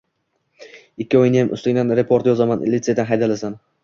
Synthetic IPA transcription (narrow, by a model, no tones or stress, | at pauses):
ɪkʲʰːɪɒjɪnjamʊ̰st̪ɪŋʲd̪anɾe̞pʰo̞ɾt̪jɒzamanlɪt̪sed̪anɦajd̪alasan